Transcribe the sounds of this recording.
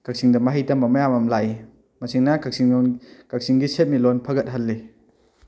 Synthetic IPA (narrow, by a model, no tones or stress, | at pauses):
kʰak̚siŋdɐmɐɦijtɐmɐmɐjamɐmlaj | mɐsiŋnakʰɐk̚siŋkak̚siŋɡiset̚milonpʰɐɡɐt̚ɦɐlːi